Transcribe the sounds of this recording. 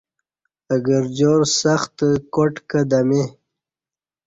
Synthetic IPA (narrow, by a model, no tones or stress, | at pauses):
əɡəɾd͡ʑoɾsaxt̪koʈkəd̪ame